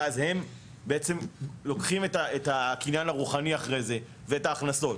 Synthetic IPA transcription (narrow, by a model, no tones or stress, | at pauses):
azhe̞m | beet͡se̞mlo̞kχimetaetakinjanhaʁuχaniaχʁe̞jze̞ | veetaːχnaso̞t